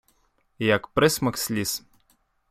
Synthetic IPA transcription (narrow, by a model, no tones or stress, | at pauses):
jakpɾɛsmakslʲis